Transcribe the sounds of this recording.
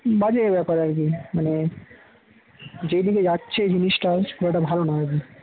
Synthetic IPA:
bad͡ʑeeɾbɛpaɾaɾkimane | d͡ʑejd̪iked͡ʑatːɕʰed͡ʑiniʃʈaʃkolaʈ̬abʱalonaɦek̬i

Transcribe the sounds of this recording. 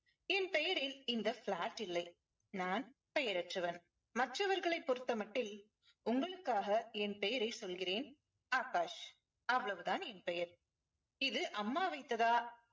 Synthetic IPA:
ɛnpɛjɐɾɪlɪnd̪ɐflaːʈːɪlːɐɪ | naːn | pɛjɐɾɐʈrɐʋɐn | mɐʈrɐʋɐɾɣɐɭɐɪpːɔɾɯt̪ːɐmɐʈːɪl | ʊŋɡɐɭɯkːaːɣɐɛnpɛjɐɾɐɪsɔlɣɪreːn | aːkaːʂ | ɐʋːɐɭɐʋɯt̪aːnɛnpɛjɐɾ | ɪðɯʔɐmːaːʋɐɪt̪ːɐðaː

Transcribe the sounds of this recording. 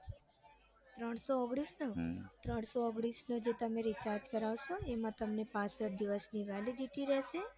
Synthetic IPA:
t̪ɾəɳ̃soəɡɽisnot̪ɾəɳ̃soəɡɽisnod͡ʒet̪əmeɾit͡ʃaɾd͡ʒkəɾaʋʃoemãt̪əmnepãsəʈ̚d̪iʋəsniʋɛliɖiʈiɾɛʃe

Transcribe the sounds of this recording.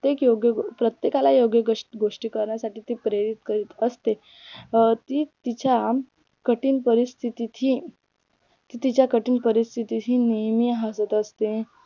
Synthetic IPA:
t̪ekjoɡjəpɾət̪jekalajoɡjəɡʂʈɡoʂʈiːkəɾɳjasaʈiːt̪ipɾeɾit̪kəɾiːt̪əst̪e | t̪iːt̪it͡ɕa | kəʈiːnpəɾist̪ʰit̪it̪ɦiː | t̪it̪it͡ɕjakəʈiːnpəɾist̪ʰit̪it̪ɦiːnijmiɦasət̪əst̪e

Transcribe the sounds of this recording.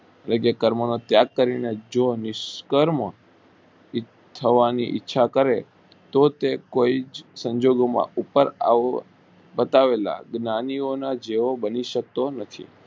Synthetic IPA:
ləɡekəɾmənot̪jaɡ̚kəɾined͡ʒonɪʃkəɾm | t̪ʰəʋaniʔɪ̰tːʃʰakəɾe | t̪ot̪ekoid͡ʒsəɲd͡ʒoɡomã̰upəɾa̰ | bət̪aʋela̰ɡnanionad͡ʒeʋobəniʃək̚t̪onət̪ʰḭ

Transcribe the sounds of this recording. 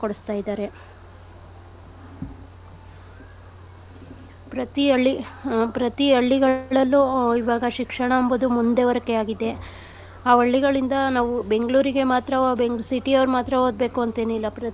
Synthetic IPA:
koɽust̪aːjid̪aːɾe̞ | pɾɐt̪iɐɭːipɾɐt̪iɐɭːiɡɐɭɐlːuiʋaːɡɐʃikʂɐɳɐɐmbud̪umund̪e̞ʋɐɾɐkːeaːɡid̪e̞ | aːʋɐɭːiɡɐɭind̪ɐnaːʋube̞ŋɡɐɭuːɾiɡe̞maːt̪ɾɐbeŋɡɭusiʈiɐʋɐɾmaːt̪ɾɐɦoːd̪̚be̞ːkuɐnt̪e̞ːnuilːɐpɾɐ

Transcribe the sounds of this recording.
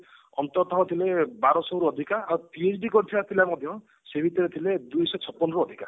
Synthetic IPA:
ɔ̰nt̪ɔt̪ʰɔɦɔt̪ʰilebaɾɔsɔɦɾuɔd̪ʱikaawpied͡ʒɖikɔɾit̪ʰibat̪ʰilamɔd̪ʱjɔ | sebʱit̪ɔɾet̪ʰiled̪ujsɔt͡ʃʰɔpːɔnɔɾɔːd̪ʱika̰

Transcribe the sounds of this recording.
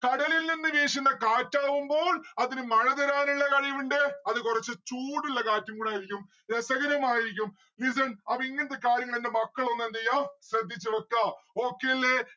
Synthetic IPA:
kɐɽɐlilninːɨʋeːʂinːɐkaːtːaːʋumbo̞ːɭɐðinɨmɐɻɐðɐɾaːnuɭːɐkɐɻijʋuɳɖɨɐðɨkurɐt͡ɕːɨt͡ɕuːɽiɭːɐkaːtːɐmkuːɽaːjiɾikʲːum | esɐɣɐɾɐmaːjiɾikʲːum | lis̬ɐnɐpɐiŋːɐnɐt̪ːekaːɾjɐŋːɐɭendemɐkːɐɭonːend̪ɐjaːɕrɐd̪ʱːit͡ɕːɨʋɐkːao̞ːkːejlːe

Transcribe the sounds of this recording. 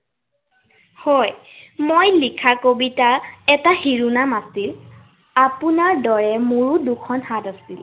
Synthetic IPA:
hɔj | mojlikʰakobitaɛtahiɹunamasil | apunaɹdɔɹɛmuɹudukʰɔnhatasil

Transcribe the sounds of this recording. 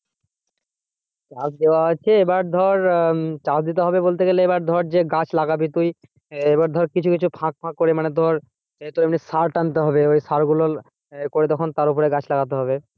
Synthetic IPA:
t͡ɕasd̪eoaɦot͡ɕʰeebaɾd̪ʱɔɾt͡ɕasd̪it̪eɦɔbebolt̪eɡeleebaɾd̪ʱɔɾd͡ʑeɡat͡ɕlaɡabit̪uj | ebaɾd̪ʱɔɾkit͡ɕʰukit͡ɕʰupʰãk̚pʰãkːoɾemaned̪ʱɔɾ | d͡ʑet̪oɾemnisaɾʈant̪̬eɦɔbeojsaɾɡulo | koɾet̪ɔkʰont̪aɾup̬oɾeɡat͡ɕʰlaɡat̪eɦɔbe

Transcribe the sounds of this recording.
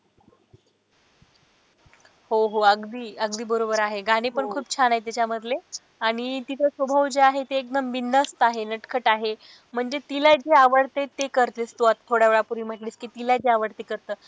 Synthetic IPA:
hoɦoəɡd̪iːəɡd̪iːbəɾobəɾaɦeɡaɽ̃ipəɳkʰuːpt͡ɕʰanaet̪it͡ɕjaməd̪ʱle | aɽ̃it̪it̪əsʋəbʱəʋd͡ʑeaɦet̪eːk̚d̪əmbind̪əst̪aɦenəʈkʰəʈaɦe | m̤əɳd͡ʑet̪ilajd͡ʑeaʋəɽt̪et̪ekəɾt̪est̪uʋat̪tʰːoɽjaʋɭapuɾiːm̤əʈliːskiːt̪ilad͡ʑeaʋəɽt̪ekəɾt̪əː

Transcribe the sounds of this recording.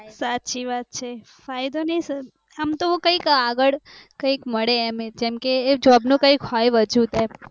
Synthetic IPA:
satːt͡ʃiʋat̪̚t͡ʃʰe | fajd̪onəĩs | əmt̪oũkə̃ikaɡəɭkə̃ikməɭeemed͡ʒɛmked͡ʒɔbnũkə̃ikɦɔjʋəd͡ʒũt̪e

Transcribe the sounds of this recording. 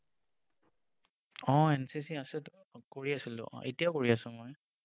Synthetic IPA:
ɔ̃ɛnsisiasɛ | koɹiasilʊ̰̃ʔɔ̰̃ʔḛtijakoɹiasʊ̃moj

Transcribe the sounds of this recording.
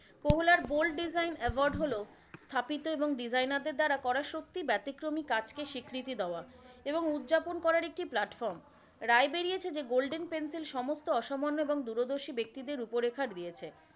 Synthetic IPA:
koɦulaɾbolʈ̚ɖizajnɛʋoɾɖɦolo | st̪ʰapit̪oeboŋɖid͡ʑajnaɾd̪eɾd̪aɾakɔɾaʃot̪ːibɛt̪ikɾomikat͡ɕkeʃikɾit̪id̪eoa | eboŋud̪d͡ʑaponkɔɾaɾek̚ʈiplaʈfɔɾm | ɾaebeɾijet͡ɕʰed͡ʑeɡolɖenpensilʃɔmost̪oɔʃomonːoeboŋd̪uɾod̪oɾʃibek̚t̪id̪eɾupoɾekʰaɾd̪ijet͡ɕʰe

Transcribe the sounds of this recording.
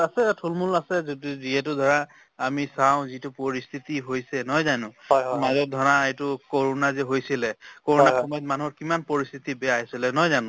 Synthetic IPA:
asɛtʰulmulasɛzodiziɦɛtʊdʱɔɹaː | misaw̃zitʊpoɹist̪ʰitiɦojsɛnɔjzanʊ̃ɦɔmazɔt̚dʱɔɹaejtʊkoɹonazɛɦojsilɛkoɹonakʰɔmɔjtmanuɦɔɹkimanpoɹist̪ʰitibɛaaɦjsilɛnɔjzanʊ̃

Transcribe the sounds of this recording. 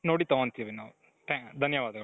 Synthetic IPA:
noːɽit̪ɐʋɐnt̪iɐʋinaːʋ | ʈ̪ɛ̃ːd̪ʱɐnjɐʋaːd̪ɐɣɐ

